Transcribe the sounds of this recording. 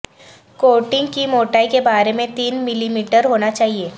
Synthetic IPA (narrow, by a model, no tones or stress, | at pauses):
koːʈɪ̃ŋɡkimoːʈaːikebaːɾemẽt̪iːnmɪlimiːʈəɾɦoːnat͡ʃaːɦieː